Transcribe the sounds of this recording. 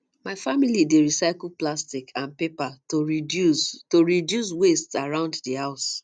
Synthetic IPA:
maɪfamilideɹisaɪkl̩ˠplastikʰãnpepa | toɹidjus̬westsaɹãʊ̃nddihaʊs

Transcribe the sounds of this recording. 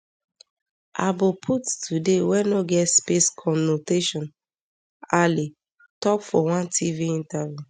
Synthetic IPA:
a̰bopʰuttʰudewɛnoɡɛtspeskʰɔmnoteʃɔ̃n | ali | tɔkfɔwãntʰiviĩntavju

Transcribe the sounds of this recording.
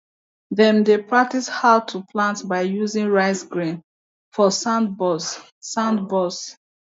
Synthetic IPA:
ðɛ̃mdepɹak̚tishaʊtʰuplãntbaɪjuzĩŋɹaɪsɡɹĩn | fɔsãndbɔsː | ãndbɔs

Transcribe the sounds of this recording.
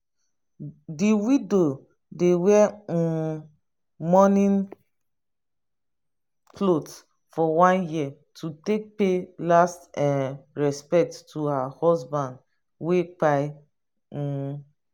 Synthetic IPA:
diwido | dewɛ̃ | mɔnĩn | pʰlot | fɔwãnjia | tʰutek̚pelastɛɹɛspɛk̚tːuhahɔsbãnd | wek͡paɪ̃

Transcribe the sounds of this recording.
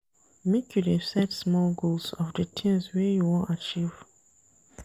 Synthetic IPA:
mekʰjudesɛtsmɔlɡolsɔfdətʰĩmswɛjuwɔ̃ntat͡ʃiv̥

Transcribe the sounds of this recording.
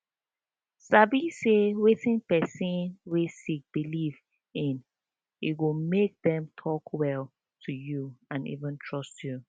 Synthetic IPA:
sabisewetĩnpɛsĩnwesik̚b̥iliv | ɪ̃n | itwɪmek̚ðɛ̃mtʰɔkwɛl | tʰujuãnḭvə̃ntʰɹɔstʰju

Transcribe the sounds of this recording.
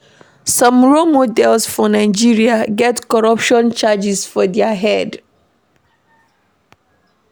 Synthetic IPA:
sɔ̃mɹomodɛlsfɔnaɪd͡ʒiɹiaɡɛtkɔɹɔpʃɔ̃nt͡ʃad͡ʒisfɔdɛaɦɛd

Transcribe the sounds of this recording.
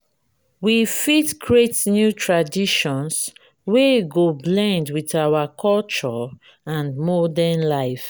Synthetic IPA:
wifitkʰɹetnjutʰɹadiʃɔ̃ns | weɡoblɛ̃ndwitawakʰɔlt͡ʃɔ | ãnmɔdɛnlaɪf

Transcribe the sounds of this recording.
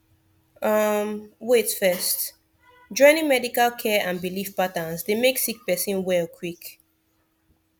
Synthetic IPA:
ʌmwetfɛst | d͡ʒɔ̃ɪ̃nĩŋmɛdikalkʰɛʔãnbilifpatə̃nsdemeksik̚pɛsĩnwɛlkʰwik

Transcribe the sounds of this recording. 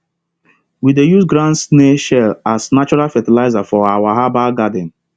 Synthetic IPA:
widejusɡɾãnsneʃɛlasnat͡ʃɔɹalfɛtilaɪzafɔawaɦabaɡadɛ̃n

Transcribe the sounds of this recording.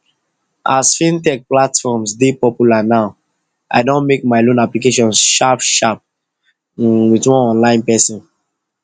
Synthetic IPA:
ʔasfĩntɛk̚platfɔmsdepɔpjulanaʊ | ʔa̰ɪdõnmek̚maɪlõnaplikeʃɔ̃nʃapʃap̚ | witwɔ̃nɔ̃nlãɪ̃npɛsɔ̃n

